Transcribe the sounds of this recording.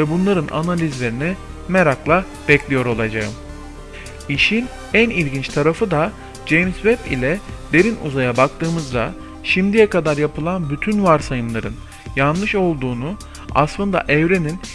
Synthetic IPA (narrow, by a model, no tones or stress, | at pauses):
vɛbunlˠaɾɯnʔa̰nalʲizlʲe̞ɾinimeɾaklˠa | bɛclʲijo̞ɾo̞lˠad͡ʒaɯm | iʃin | ænilʲɟint͡ʃt̪ʰaɾafɯd̪a | d͡ʒejmsvɛpḭlʲɛd̪e̞ɾinṵzajabak̚t̪ʰɯːmɯzd̪a | ʃimd̪ijɛkad̪aɾjapʰɯlˠanbyt̪ʰynvaɾsajɯmlˠaɾɯn | janlˠɯʃo̞lˠd̪uːnu | a̰slˠɯnd̪a̰ʔɛvɾe̞nin